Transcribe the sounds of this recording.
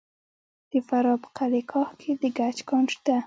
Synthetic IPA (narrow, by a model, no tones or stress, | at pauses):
d̪̥əfaɾɑpə̥qalekʰɑhkʰed̪əɡat͡ʃkɑnʃt̪a